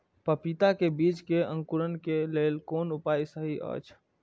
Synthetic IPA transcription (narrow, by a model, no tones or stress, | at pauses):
pəpit̪akebit͡ʃkeə̃ŋkuɾənkelelkonupajsəɦiʔə̰t͡ʃʰ